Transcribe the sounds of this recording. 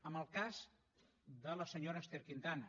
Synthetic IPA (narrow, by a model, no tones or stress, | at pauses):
əməlˠkaz | d̪ələsəɲoɾəːst̪eɾkint̪an